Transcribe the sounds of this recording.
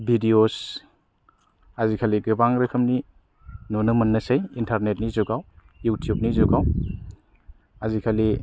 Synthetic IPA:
bʱidios | hazikʰaliɡɯbaŋɾɯkʰɯmni | nɔnɯmɐnːɐsejintʰaɾnet̚nizuɡaw | jutʰijub̚nizuɡaw | azikʰali

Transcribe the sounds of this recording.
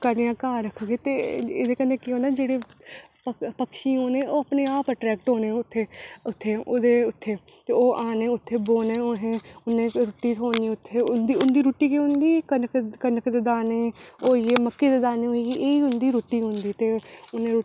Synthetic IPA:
kəɾijãːkaːɾəkʰɡeːt̪eːḛːd̪eːkəneːkːoːneːd͡ʒeːɽeːpəpəkʃiːɦoːnẽːoːəpneːaːpəʈɾɛːk̚ʈɦoːneːʊt̪ʰːeːʊt̪ʰːeːoːd̪eːʊt̪ʰːeː | t̪eːoːʔaːneːʊt̪ʰːeːboːneːoːɦẽːʊnːeːɾoːʈːiːtoːniːʊt̪ʰːeːʊnd̪iːʊnd̪iːɾuːʈːiːkeɦʊ̃nd̪iːkənkkənəkd̪eːd̪aːneːoːjeːməkːeːd̪eːd̪aːneːɦoiːeʔeːiːɦʊnd̪iːɾoːʈːiːɦʊ̃nd̪iːt̪eːʊnẽː

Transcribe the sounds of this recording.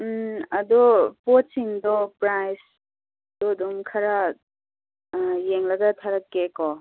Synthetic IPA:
ɐd̪ɔpot͡ʃiŋdɔpɾajs | d̪̥ɔd̪ɔmkʰɐɾa | jeŋlɐɡɐt̪ʰaɾɐkekɔ

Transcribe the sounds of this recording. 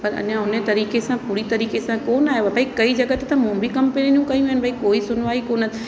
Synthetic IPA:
pɐɾɐ̰ʄãɦʊnet̪ɐɾiːkesãpuːɾit̪ɐɾiːkesãkoːnaːɦeʋabʱaːikɐid͡ʒɐɡət̪et̪ɐmũːbʱikɐmpeninijũkɐjũɦɪnɪbaikoːisʊnʋaːikoːnə

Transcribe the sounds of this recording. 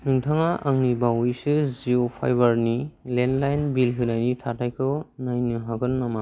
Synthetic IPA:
nɯŋtʰaŋaʔaŋnibawjsɯziopʰa̰jbaɾnilenlajnbilkɯnajnitʰatajkʰɯnajnɯɦaɡɯnːama

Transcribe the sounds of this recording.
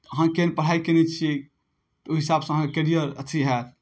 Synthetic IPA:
əɦãkenpəɽ̤aikenɛt͡ʃʰi | t̪ɔuɦisabsə̃ɦãkekeɾijəɾə̰t͡ʃʰiɦɛt̪̚ʰ

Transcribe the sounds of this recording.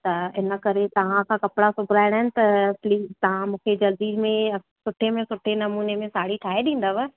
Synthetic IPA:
t̪ɐɪnə̆kɐɾet̪ɐʋ̤ãkʰãːkɐpɪɽasʊbʱɪɾaːɪɽ̃aɦɪnɪ̆t̪ɐpliːzt̪ɐʋ̤ãmũːkʰed͡ʑɐld̪imẽ | sʊʈʰemẽsʊʈʰenɐmuːnemẽsaːɽiʈʰaːɦeɗĩːn̆d̪aʋə

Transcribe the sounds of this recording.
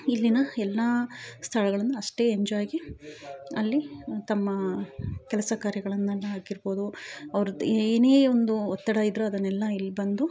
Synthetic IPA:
ilːinɐɛlːaːst̪ʰɐlɐɡɐɭɐnːɐːʂʈe̞ːeɲd͡ʒaːjɡi | ɐ̰lːit̪ɐmːɐkɛlɐsɐkaːɾjɐɡɐɭɐnːɐlːɐɦaːkiɾbo̞ːd̪uɐʋɐɾud̪eːneːond̪uɔt̪ːɐɽaːjid̪ɾuɐd̪ɐnːɛlːɐilːbɐnd̪u

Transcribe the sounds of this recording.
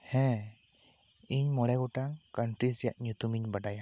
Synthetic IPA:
hɛ̃ | iɲmɔɽɛɡɔʈakəɳʈɾisɛja̰ʔɲjut̪umiɲbəɖaja

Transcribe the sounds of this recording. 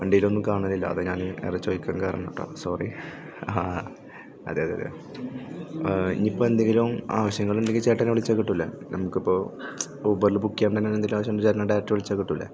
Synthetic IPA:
ʋɐɳɖijilo̞nːumkaːɳɐlːilːɐ̰ɐ̰ðɨɲaːnɨḛrɐt͡ɕːojikʲːaːnkaːɾɐ̰ɳoʈːo̰ːsoːri | aː | ɐ̰ðeːjɐðeɐðɨ̰ | ḭɲːipːoːend̪eŋɡiluma̰ːʋɐɕjɐŋːɐɭeɳɖekːɨt͡ɕeːʈːɐnʋɐɭit͡ɕːakːiʈːulːɐ̰ | nɐmukːipːo̞ː | obɐrlɨbukːijaːnt̪ɐnːenːend̪ilmaːʋɐɕjɐmːt͡ɕeːɾɐnɐɖeaːtːɨʋiɭit͡ɕːaːkːiʈːulːɐ̰

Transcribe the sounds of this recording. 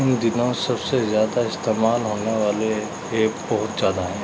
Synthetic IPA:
ɪnd̪ɪnõsɐbsezjaːd̪aɪst̪eːmaːlɦoːneʋaːle | eːpbɐɦʊt̪zjaːd̪aɦɛ̃ː

